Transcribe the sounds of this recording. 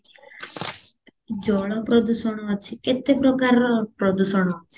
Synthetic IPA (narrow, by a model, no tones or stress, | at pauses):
d͡ʒɔɭɔpɾɔd̪uʃɔɽ̃ɔɦɔt͡ʃʰeket̪epɾɔkaɾɔpɾɔd̪uʃɔɽ̃ɔɦɔt͡ʃʰe